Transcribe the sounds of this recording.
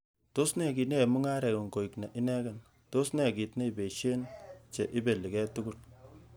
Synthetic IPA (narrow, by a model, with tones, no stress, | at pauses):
to˦snɛ˦˨ki˨ne˦˨mu˦ŋa˦ɾɛ˨ko˨ŋɡo˨i˨kna˨ʔi˦nɛ˦kɛ˨n | to˦snɛ˨ki˨tne˦i˨be˨ʃe˦nt͡ʃe˨ʔi˦be˨li˨kɛ˦tu˦ɡu˦l